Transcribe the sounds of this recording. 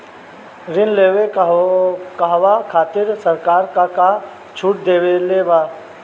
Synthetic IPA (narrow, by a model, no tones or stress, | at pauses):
ɾɪnleːwe | kaɦwakʰaːt̪ɪɾsəɾkaːɾkaka | t͡ʃʰuːʈ̚d̪eːweleːʋaː